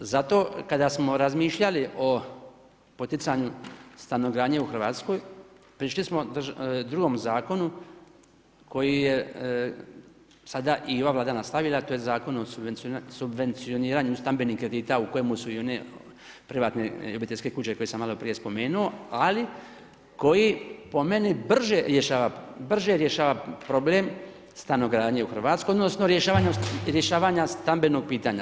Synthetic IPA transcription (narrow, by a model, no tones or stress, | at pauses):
zat̪o̞ːkad̪asmo̞ɾazmiːʃʎaliʔo̞ | pot̪it̪saɲust̪anoɡɾaːɲeuxr̩ʋaːt̪sko̞j | pɾiʃlismo̞d̪ɾuɡo̞mzaːko̞nu | kʰo̞jije | sad̪aʔio̞ʋaːvlˠaːd̪anast̪aʋilˠat̪oːjezaːko̞nosubenssubʋe̞nt̪sio̞niːɾaːɲust̪ambe̞niːhkɾe̞d̪iːt̪auko̞jemusuio̞ne̞ | pɾiʋaːt̪ne̞obit̪e̞ʎʲske̞kuːt͡ɕeko̞jesamalo̞pɾije̞spo̞me̞ːnuo̞ali | ko̞jipo̞me̞nibr̩ʒeɾjeʃaːʋabr̩ʒeɾjeʃaːʋapɾo̞ble̞m | st̪ano̞ɡɾaːd̪ɲeuxr̩ʋaːt̪skojod̪no̞sno̞ɾjeʃaːʋaɲaɾjeʃaːʋaɲast̪ambe̞no̞ɡ̚piːt̪aɲa̰